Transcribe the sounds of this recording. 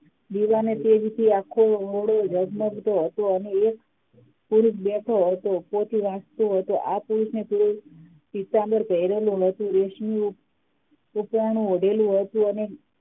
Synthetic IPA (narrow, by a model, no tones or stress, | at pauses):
d̪iʋanet̪ed͡ʒt̪ʰiakʰːooɽod͡ʒəɡməɡt̪oɦət̪oəneːk | puɾuʃbɛʈʰoɦət̪opot̪ʰiʋãst̪oɦət̪oʔapuɾuʃnet̪ʰuɾu | t͡ʃit̪ːãnd̪əɾkəiɾelũɦət̪ũɾeʃmi | upɾaɳ̃ũoɖelũɦət̪ũəne